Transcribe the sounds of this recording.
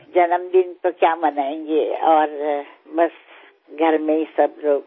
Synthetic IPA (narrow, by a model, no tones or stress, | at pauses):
d͡ʒɐnəmd̪ɪnt̪okjamɐnaːẽːŋɡeɔːɾbɐs | ɡʱɐɾmẽisɐbɾoːk